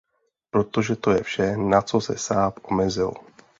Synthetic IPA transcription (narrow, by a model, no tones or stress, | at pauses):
pɾo̞t̪o̞ʒɛt̪o̞jɛfʃɛnat͡so̞sɛ̰saːpʔo̞mɛzɪl